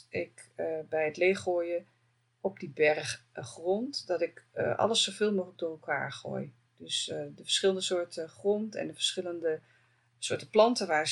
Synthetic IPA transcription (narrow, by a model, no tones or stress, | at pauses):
ɪkbɛjɦətleːχoːjə | ɔp̚dibɛrχχrɔntdɑtɪkʔɑ̰ləsovɪːlˠmoːxələk̚doːrɛlˠka̰ːɹχo̰ːj | d̥ɵsdəfə̥ɹsχɪləndəsʊːɹtəχrɔntɛ̰ndəvəɹsχɪləndə | sʊːtəplɑntəʋaːɹ